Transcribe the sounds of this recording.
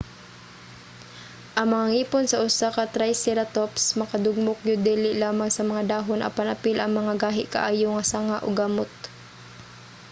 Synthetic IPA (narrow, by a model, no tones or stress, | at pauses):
ʔɐŋmɐŋaŋiːponsɐʔʊsakɐt̪ɾajsɛɾɐt̪opsmɐkɐd̪ʊɡ̚mʊk̚jʊd̪ɛːlɪʔlaːmaŋsɐmɐŋad̪aːɦonʔɐ̰pɐnɐpɪlʔɐŋmɐŋaɡaːɦɪʔkɐ̰ʔaːjoŋɐsaŋaʔo̰ɡamot̪̚